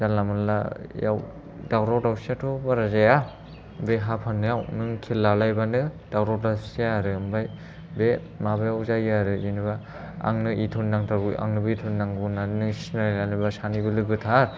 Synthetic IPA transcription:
zalamɯnla̰ja̰w | dawɾawdawsatʰobaɾazaja | beɦapʰanːɯjawnɯŋkʰelːalajbanɯd̥awɾawdasseaɾɯɯmbaj | be | mabajawzajɯɾɯinɯβa | a̰ŋnɯʔitʰunːaŋtʰaɡua̰ŋnɯbɯitʰunːaŋɡunanɯsnalanɯbasanibɯlɯɡɯtʰaɾ

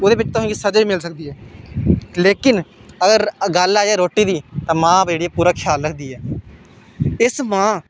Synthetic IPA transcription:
od̪eːbɪt͡ʃt̪ʊsãːɡiːsəd͡ʒiːmɪlsək̚d̪iːɦɛː | leːkɪnəɡəɾɡəlaːjaːɾoːʈːiːd̪iːt̪ãːmãːbd͡ʒeːɽiːɛːpuːɾaːkʰɪjaːlɾəkʰd̪iːɛː | ɪsmãː

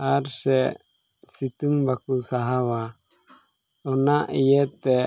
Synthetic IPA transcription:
aɾsɛ | sit̪uŋbakusaɦawa | ɔnaʔijɛt̪ɛ

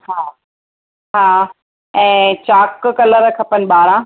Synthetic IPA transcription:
haː | ɦaː | ɛ̃ːt͡ɕaːkkɐləɾəkʰɐpənɓaːɾã

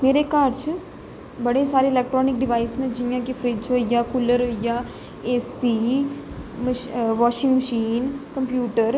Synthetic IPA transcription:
meːɾekaːɾt͡ʃ | bəɽesaːɾeːlɛːk̚ʈɾɔːnɪk̚ɖɪʋaːisnẽd͡ʒɪjãːkifʰɾɪt͡ʃɦoːijaːkʊləɾɦoːijaː | eːsiː | məʋɔːʃɪ̃ŋɡməʃiːnkəmpjuːʈəɾ

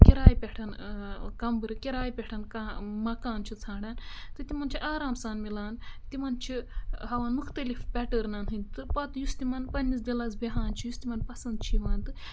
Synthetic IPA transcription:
kʲiɾaːjipʲeʈʰɐnkɐmbɨɾɨkʲiɾaːjipʲeʈʰɐnkaːmɐkaːnt͡ʃʰit͡sʰãːɖaːnt̪ɨt̪imɐnt͡ʃʰiʔaːɾaːmsaːnmilaːnt̪imɐnt͡ʃʰiɦɐʋaːnmukʰt̪ɐlifbʲɛʈəɾnaːnɦɨnʲt̪ɨpɐt̪just̪imɐnpɐnʲːis̬d̪ilazbeɦaːnt͡ʃʰijust̪imɐnpɐsɐnd̪̚t͡ʃʰiʋaːnt̪ɨ

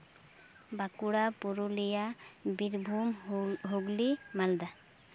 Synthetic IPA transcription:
bakuɽapuɾulijabiɾbʱumɦoɡlimald̪a

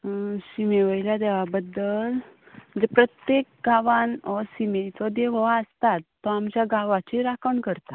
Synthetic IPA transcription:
ɕimeʋəjljad̪eʋabəd̪ːəl | d͡zepɾət̪jek̚ɡʱaʋanɔsimet͡sɔd̪eʋɔaəst̪at̪ːɔamt͡ɕjaɡʱaʋat͡ɕiɾakʰəɳkəɾt̪a

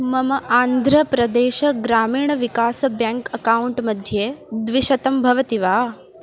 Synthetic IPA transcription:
mɐməʔaːnd̪ʱɾəpɾɐd̪eːʃɡɾaːmiːɳ̃ʋikaːsbjaŋkɐkauɳʈmɐd̪ʱjeːd̪ʋɪʃɐt̪ɐmbʱɐʋət̪iʋaː

